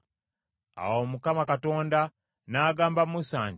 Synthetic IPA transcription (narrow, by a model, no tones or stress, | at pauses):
a̰womukamakato̞ːnda | naːɡaːmbamusaːɲɟ